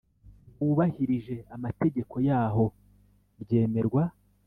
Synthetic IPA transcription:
uβahiɾiʒe̞amate̞ɟe̞ko̞jaːɦo̞ | ɾɟe̞ːme̞ɾɡwa

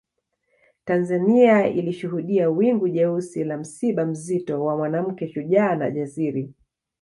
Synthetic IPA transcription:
tanzaniailiʃuɦuɗiawiŋɡuʄɛusilam̩siɓam̩zitɔwamwanam̩kɛʃuʄaːna̰ʄasiɾi

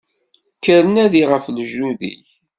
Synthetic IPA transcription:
kəɾənæðiʁəflʒuðḭç

